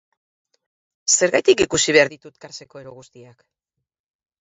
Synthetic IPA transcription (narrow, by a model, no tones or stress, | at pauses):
se̞ɾɣajt̪ikikusiβe̞aɾðit̪ut̪kaɾt͡se̞ko̞eɾoɣust̪iak